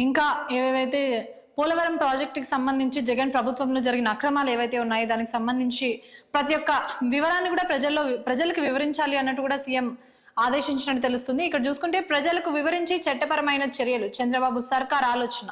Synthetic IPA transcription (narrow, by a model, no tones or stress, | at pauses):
iŋkaːeːʋeːʋɐjt̪e̞ː | puːlɐʋɐɾɐmpɾaːd͡ʒek̚ʈki̥sɐmbɐnd̪ʱiɲt͡ʃid͡ʒɛɡɐnpɾɐbʱut̪ʋɐmlo̞ːd͡ʒɐɾiɡinɐːkɾɐmaːle̞ːʋɐjt̪e̞ːunːaːjid̪aːnikisɐmbɐnd̪ʱiɲt͡ʃipɾɐt̪ijɔkːɐʋiʋɐɾaːnːikuːɽaːpɾɐd͡ʒɐlːo̞ːpɾɐd͡ʒɐlɐkuʋiʋɐɾiɲt͡ʃaːliɐnːɐʈːukuːɽaːsiːjem | aːd̪eːʃiɲt͡ʃinɐʈːut̪e̞lus̬t̪und̪iːkːɐɽɐt͡ʃuːsukuɳʈe̞ːpɾɐd͡ʒɐlɐkuʋiʋɐɾiɲt͡ʃet͡ʃɛʈːɐpɐɾɐmɐjnɐt͡ʃɛɾijɐlut͡ʃɐnd̪ɾɐbaːbusɐɾkaːɾaːloːt͡ʃɐnɐ